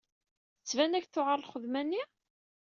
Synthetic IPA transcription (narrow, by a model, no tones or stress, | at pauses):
θət͡sːvænæçθʊʁəɾˤlχəðmænːi